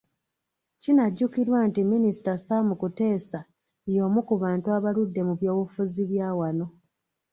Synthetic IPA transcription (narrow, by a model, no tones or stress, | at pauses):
cinaɟːukiɾwantiminisi̥tasamukute̞ːsa | jo̞ːmukuβaːntuaβaludːe̞muβjo̞ːwufuziβjaːwano̞